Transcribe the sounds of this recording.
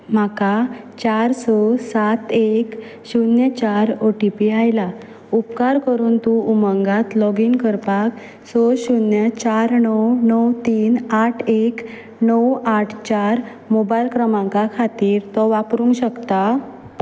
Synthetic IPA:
m̤akat͡ɕaɾsɔsat̪ek | ɕunjət͡ɕaɾoʈipiajla | upkaɾkəɾuːnt̪uuməŋɡat̪lɔɡiːnkəɾpak | sɔɕunjət͡ɕaɾnɔwnɔwt̪iːnaʈʰek | nəwaʈʰt͡ɕaɾ | mobajlkɾəmãŋkakʰat̪iːɾt̪ɔʋapɾũŋɡɕəkt̪a

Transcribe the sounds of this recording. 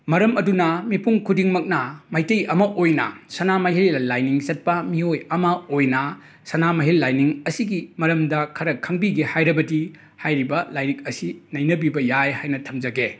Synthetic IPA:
mɐɾɐmɐdunɐmipuŋkʰudiŋmɐk̚nɐmɐjtɐjɐmɐʔojnɐ̰sɐnamɐɦilɐlajniŋsɐt̚pɐmiojɐmɐojnɐ | sɐnamɐɦilːajniŋɐsiɡimɐɾɐmdɐkʰɐɾɐkʰɐŋbiɡehajɾɐbɐdi | hajɾibɐlajɾik̚ɐsinɐjnɐbibɐjajhajnɐtʰɐmd͡ʒɐɡe

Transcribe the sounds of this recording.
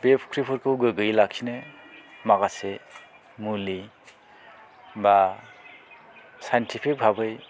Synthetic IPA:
bepʰkʰɾipʰɯɾkʰɯwɡɯɡɯjlakʰinɯmaɡase | muli | ba | sajntʰipʰik̚bʱabɯj

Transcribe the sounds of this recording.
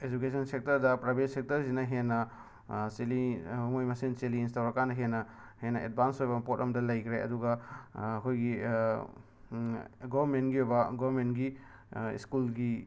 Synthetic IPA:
ed͡ʒukesʰɔnsek̚tɐɾdɐpɾabetsek̚tɐɾzinɐɦenːɐ | selimojmɐsinseliːns̬tawɾakandɐɦenːɐ | henːɐʔḛd̚bʱansojbɐpotɐmdɐlɐjkʰɾeɐ̰duɡaːkʰojɡi | ɡɔbɾmentɡiojbɐɡɔbɾmentɡiḭskulɡi

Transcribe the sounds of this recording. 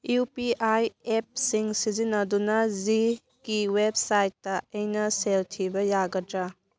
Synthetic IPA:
upiʔajep̚siŋsizinɐdunɐzi | kiweb̚sajtːɐɐjnɐseltʰibɐjaɡɐdɾa

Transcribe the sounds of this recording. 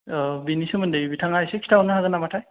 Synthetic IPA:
binisɯmɯndebibitʰaŋajsekʰi̥tʰawnɯɦaɡɯnamatʰaj

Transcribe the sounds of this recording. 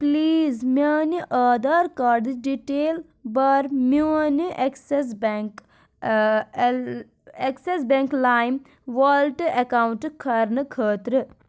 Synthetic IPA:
pliːzmaːniʔaːd̪aːɾkaɾd̪ɖiʈeːl | bɐɾmuɐniʔekses̬beŋk | eksesbẽŋklaːjm | ʋɐlʈɐkaːwuɳʈkʰɐɾnɨkʰəːt̪ɾɨ

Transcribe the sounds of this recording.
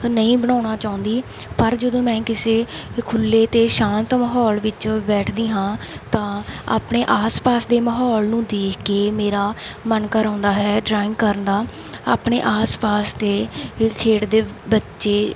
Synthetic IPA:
nəĩːbəɳãːnaːt͡ʃaːʊ̃nd̪iːpəɾd͡ʒəd̪õːmɛ̃ːkɪseːkʰʊlːeːt̪eːʃãːnt̪məɦɔːlʋɪt͡ʃbɛːʈʰd̪iːɦãːt̪ãːa̰ːpɳeːʔaːspaːsd̪eːməɦɔːlnũːd̪eːkʰkeːmeːɾaːmənkəɾãːnd̪aːɦɛːɖɾaːɪ̃ŋkəɾənd̪aː | a̰ːpɳḛːʔaːspaːsd̪eːkʰeːʈd̪eːbətːʃeː

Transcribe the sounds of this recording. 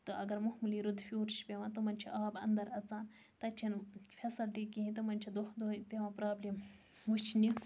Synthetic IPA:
t̪ɨʔɐɡɐɾmuɦmuliːɾud̪fʲuːʈʃpʲeʋãːt̪umɐnʲt͡ʃʰiʔaːbɐ̰nd̪ɐɾɐt͡saːn | t̪ɐt͡ʃʰinfʰʲesɐlʈikiɦĩt̪ɨmɐnʲt͡ʃʰid̪ud̪oːp̪eʋãːpɾaːblim | ɦut͡ʃʰni

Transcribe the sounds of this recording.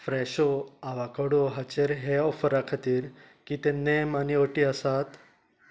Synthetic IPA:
fɾɛɕoaʋakəɽoɦat͡ɕeɾɦeɔfəɾakʰat̪iːɾ | kit̪enemanioʈiəsat̪

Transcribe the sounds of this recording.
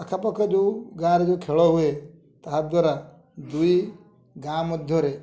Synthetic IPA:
ɐkʰapɔkad͡ʒoɡaɾd͡ʒokʰeɭɔɦue | t̪aɦad̪waɾa | d̪uji | ɡamɔd̪ʱjɔɾe

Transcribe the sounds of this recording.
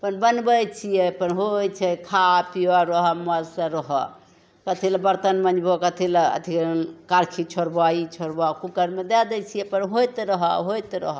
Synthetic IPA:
pənbənbət͡ʃʰijɛpənɦojt͡ʃʰɛkʰapiwaɾəɦɔmalsə̃ɾəɦɔ̰ | kət̪ʰiləbəɾt̪ənmənd͡ʒbʱokət̪ʰilə̰t̪ʰiknkaɾkʰit͡ʃʰoɾbait͡ʃʰoɾbakukəɾmed̪ɛd̪ɛt͡ʃʰijɛpənɦojt̪ɾəɦɔ̰ɦojt̪ɾə̰ɦ

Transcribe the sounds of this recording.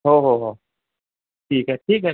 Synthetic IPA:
ɦoɦoɦo | ʈʰiːkɦɛʈʰiːkɦɛ

